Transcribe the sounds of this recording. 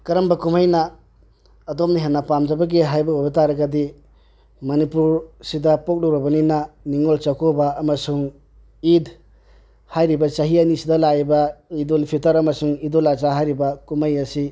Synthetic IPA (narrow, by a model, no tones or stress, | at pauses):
kɐɾɐmbɐkumajnɐː | dom̚niɦenːɐpamd͡ʒɐbɐɡiɦajbɐojbɐtaɾɐɡɐdi | mɐnipuɾsidɐpok̚loɾɐbɐninɐniŋolt͡ʃakʰobɐɐmɐsuŋ | id | hajɾibɐt͡ʃaɦiɐnisidɐlabɐidolpʰitɐɾɐmɐsuŋidolat͡ʃaɦajɾibɐkumajɐsi